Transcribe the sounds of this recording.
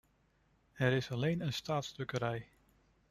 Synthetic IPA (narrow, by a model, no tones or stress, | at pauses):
ɛɾɪsɑlejnənstaːtsdɵkəɾɛj